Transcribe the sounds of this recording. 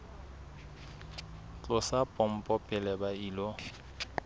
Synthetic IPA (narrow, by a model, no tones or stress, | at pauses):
t͡ɬʼʊsapʼɔm̩pʼɔpʼɛlɛbaiːlo